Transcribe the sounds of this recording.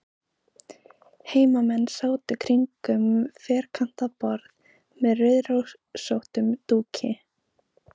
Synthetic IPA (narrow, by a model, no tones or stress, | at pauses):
heːjmamɛnːsaːwt̪ɪkʰɾiŋkʏmfɛːɾ̥kʰan̥t̪apɔɾð | mɛðrœɥðɾow | sowht̪ʏmt̪uːcʰɪ